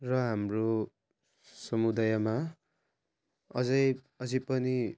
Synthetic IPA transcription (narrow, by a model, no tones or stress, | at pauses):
rʌɦamro | sʌmud̪ajʌma | ʌd͡zʌj | ʌd͡zʌpʌni